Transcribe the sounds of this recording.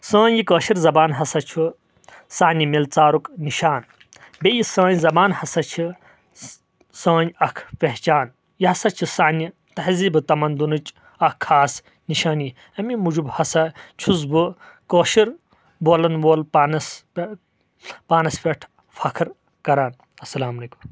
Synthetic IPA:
sɐ̃ːɲjikɐːʃiɾzɐbaːnɦɐsɐt͡ʃʰu | saːnimilt͡saːɾukniʃaːn | bejisãːɲzɐbaːnhɐsɐt͡ʃʰi | saːɲɐkʰpeht͡ʃaːn | jihɐsɐt͡ʃʰisaːni | t̪ɐɦziːbɨt̪ɐmɐnd̪unɨt͡ʃ | ɐkʰːaːs | niʃaːni | ɐmimud͡ʒubhɐsɐt͡ʃʰuzbɨ | koːʃiɾ | boːlɐnʋoːlpaːnɐs | paːnɐspʲeʈʰ | fʰɐkʰɾ | kɐɾaːn | ɐsɐlaːmɐlekum

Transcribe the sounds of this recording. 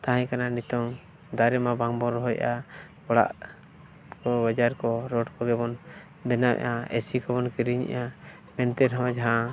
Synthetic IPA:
t̪aɦãɲkananit̪ɔŋ | d̪aɾɛmabaŋbɔɾɔɦɔjʔa | ɔɽa̰ʔ | kɔbad͡ʒaɾkɔɾɔʈkɔɡɛbɔn | bɛnamɛ̰ʔaɛ̰sikɔbɔnkiɾiɲa̰ʔa | mɛnt̪ɛɾɦɔd͡ʒaɦã

